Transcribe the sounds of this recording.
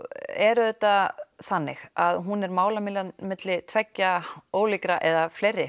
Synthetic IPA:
ɛɾʏðɛt̪ːaθanːɪxaðɦunɛɾmaːwlamɪlamɪt̪lɪt̪ʰvɛcːaoːwlikɾaʔɛðaflejrːɪ

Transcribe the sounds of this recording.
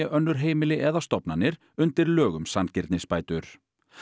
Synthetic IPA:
ɛʔœnːʏɾ̥ɦeːjmɪlɪʔɛðast̪ɔpnanːɪɾ | ʏnt̪ɪɾlœːɣʏmsancɪɾt̪nɪspaːjt̪ʏɾ̥

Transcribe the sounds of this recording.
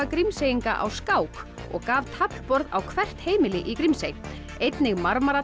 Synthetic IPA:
akɾimseːjiŋka̰ʔa̰wskaːwk | ɔ̰ɣkaːvt̪ʰapl̥pɔɾðawkʰvɛr̥t̪heːjmɪlɪʔikɾimsej | ejt̪nɪɣmaɾmaɾa

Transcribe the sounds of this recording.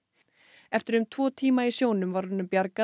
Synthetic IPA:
ɛft̪ɪɾʏmt̪ʰvɔːt̪ʰiːmaisjoːwnʏmvaɾʏnːʏmpjaɾka

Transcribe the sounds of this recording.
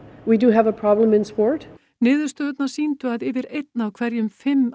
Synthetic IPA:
widɨəvəpʰɹ̥ɑblə̃mɪ̃nspɔɹt | nɪːðʏɾst̪œːt̪naɾ̥siːnt̪ʏaðɪvɪɾejt̪nawkʰv̥ɛɾjʏmfɪmː

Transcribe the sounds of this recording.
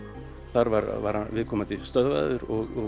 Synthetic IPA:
θaɾvaɾvaɾ̥hanvɪðkʰɔːmat̪ʰɪlst̪œðva̰ðʏɾɔɣɔ

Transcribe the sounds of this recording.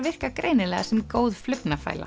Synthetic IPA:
vɪr̥kakɾʔejnɪlɛːɣasɛmkoːwðflʏpnafa̰ːjlʔa̰

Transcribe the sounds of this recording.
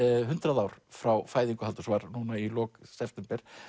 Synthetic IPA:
ɦʏnt̪ɾaðaːwɾ̥fɾawfaːjðiŋkʏɦalt̪ʏsvaɾnuːnailɔːksɛft̪ɛmpɛɾ̥

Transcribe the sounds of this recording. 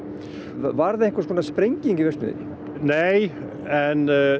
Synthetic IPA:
vaɾðaðeŋkḁskʰɔːnaspɾejɲciɲŋcɪvɛst̪ʏ̰ðḛɾɪ̰ | nej | ɛn

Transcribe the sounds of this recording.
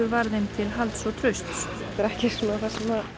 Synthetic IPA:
ʏɾvaɾðemt̪ʰɪlɦalt̪sɔt̪ʰɾœst̪s | t̪ɛɾɛhcɪsɔnaθasɛma

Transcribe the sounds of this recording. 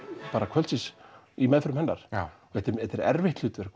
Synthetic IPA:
paːɾakʰvœlsɪs | imɛðfʏɾmhɛnːaɾ̥ɔɛht̪ːɪɾɛt̪ɛɾɛ̰ɾvɪht̪lʏːt̪vɛɾ

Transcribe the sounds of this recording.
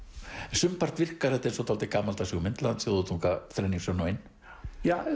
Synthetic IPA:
sʏmpar̥t̪vɪr̥kaɾhɛt̪aɛnsɔt̪ʰalt̪ɪkaːmalt̪asɔːɣmɪnt̪lant̪sjoðʏt̪ʰuŋkaθɾɛjniŋsɔnɔjn | ja

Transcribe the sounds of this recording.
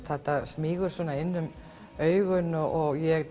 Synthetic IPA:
t̪θɛht̪asmiːɣʏɾ̥svɔːnaɪnːʏm | œːɥɣʏnːʏʔɔɣjɛɣ

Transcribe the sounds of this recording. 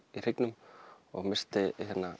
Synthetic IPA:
ir̥ɪknʏm | ɔ̰ɣmɪr̥st̪ɪhɛnːa

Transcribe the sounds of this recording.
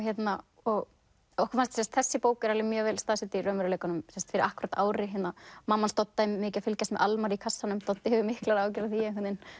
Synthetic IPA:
çjɛt̪na | ɔɣ | ɔhkafanst̪sɛnst̪θɛsːɪpoːwkʏɛɾalɪmjœːvɛlst̪aðsɪt̪ɪirœːmʏɾʏleːjkanʏmsɛnst̪fɪɾɪɾahkʏɾat̪aːwɾɪɦɛt̪namamːanst̪ɔt̪ːaɪmːɪːcafɪlcasmɛʔalmaɾikʰasːanʏmst̪ɔt̪ːɪhɛvʏmɪhklaɾaːwcɛɾaθiɛkʰɛt̪nɪn

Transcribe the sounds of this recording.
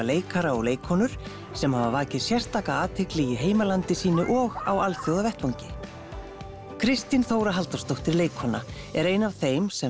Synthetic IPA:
leːjkʰaɾaɔɣleːjkʰhɔnʏɾ̥ | sɛmhaːvaɾvaːcɪðsjɛr̥t̪ːaːkaaːt̪ʰɪklɪjɪɦeːjmalant̪ɪsiːnʏʔɔɣawalθjowðavɛht̪vowɲcɪ | kʰɾɪst̪inθowɾaɦalt̪ḁst̪owht̪ɪɾleːjkʰhɔna | ɛɾeːjnavθejmsɛ

